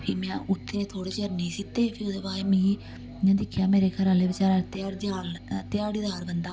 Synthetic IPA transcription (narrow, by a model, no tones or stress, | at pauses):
pʰiːmɛ̃ːʊt̪ʰːeːt̪ʰoːɽeːt͡ʃəɾniːsiːt̪ːeːpʰiːoːd̪eːbaːɾemĩː | jãːd̪ɪkʰjaːmeːɾeːkʰəɾãːleːbɪt͡ʃaːɾat̪aːɽd͡ʒaːlt̪ɪjaːɽɪd̪aːɾbənd̪aː